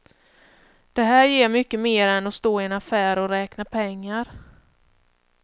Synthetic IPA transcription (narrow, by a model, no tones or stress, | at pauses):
d̪̥ɛɦæːɾjeːɾmʏkːəmeːɾɛnɔst̪oːɪɛnafæːɾɔɾɛːknapʰɛŋːaɾ